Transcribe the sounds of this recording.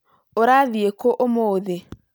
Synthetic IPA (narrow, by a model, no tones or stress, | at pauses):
oɾaðiekoʔomoðe